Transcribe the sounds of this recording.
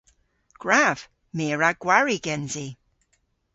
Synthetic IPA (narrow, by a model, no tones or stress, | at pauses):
ɡ̥ɹav̥ | meːɹaɡ̥waɹiɡɛnzi